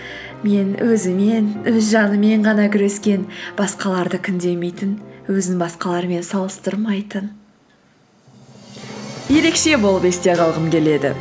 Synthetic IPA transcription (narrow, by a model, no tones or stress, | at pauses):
me̞nwʔɵzɪme̞nɵzʒɑnəme̞ɴʁɑnɑkʲʰʏɾe̞skʲe̞nb̥ɑsqɑlˠɑɾd̪əkʲʰʏnd̪e̞me̞jt̪ɪnwɵzɪbɑsqɑlˠɑɾme̞nsɑlˠəst̪əɾmɑjt̪ən | je̞ɾe̞kʃe̞bo̞lˠəpe̞st̪e̞ʁɑlˠʁəmkʲʰe̞le̞d̪ɪ̰